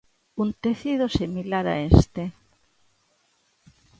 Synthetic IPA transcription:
unt̪eθiðosimilaɾa̰est̪e

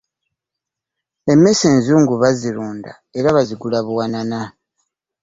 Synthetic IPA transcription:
e̞me̞seːnzuːŋɡuβaziɾuːnda̰ | e̞ɾaβaziɡulaβuwanana

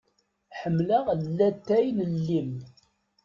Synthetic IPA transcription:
ħəmːlaʁlːæt̪ːæjnəlːim

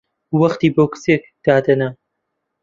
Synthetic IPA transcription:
wɐχt̪iːbowkɨ̥seːk̚d̪̥aːd̪ɐnɐ

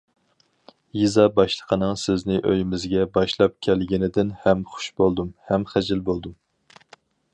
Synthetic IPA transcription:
jizɑbɑʃlˠəqʰənɨŋsɪznɪʔø̰jɪmɪzɡʲɛbɑʃlˠɑp̚kʲʰɛlɡʲɪnɪd̪ɪnhɛmχʊ̥ʃbolˠd̪umhɛmχæd͡ʒɪlbolˠd̪um

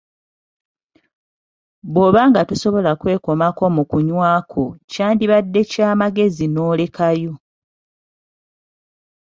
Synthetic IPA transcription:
βoːβaːŋɡatuso̞βo̞lakwe̞ːko̞mako̞mukuɲwaːkʰo̞caːndiβadːe̞caːmaɡe̞zino̞ːle̞kajo̞

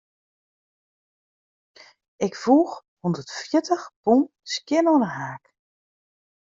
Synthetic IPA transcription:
ɪkfuːx | hundərtfjɪtəxpun | skjɪnonəɦaːk

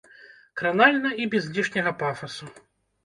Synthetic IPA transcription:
kɾanalʲnɐibʲɛzʲlʲiʂnʲɐɣɐpafɐsu

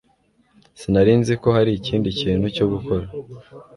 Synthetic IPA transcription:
sinaɾiːnziko̞haɾiciːndiciːn̥huco̞ɡuko̞ɾa

